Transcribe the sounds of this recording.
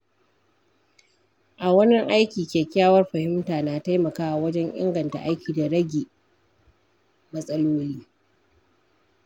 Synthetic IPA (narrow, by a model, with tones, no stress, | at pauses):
ʔa˨wɐ˦nɪ˦ŋʔa˦jkʲiː˨kʲeː˨kʲaː˦wɐ˦rɸɐ˨hɪ˦mtaː˨naː˨ta˦jmɐ˨kaː˦ʔa˨wɐ˦d͡ʒɛ˦ŋʔɪ̰˦ŋɡɐ˨nta̰˨ʔa˦jkʲʰiː˨da˨ɽɐ˦ɡʲeː˨ | mɐ˦sʼɐ˦loː˦liː˦